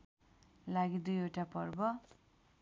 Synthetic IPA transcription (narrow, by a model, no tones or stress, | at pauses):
laɡid̪ujoʈapʌrbʌ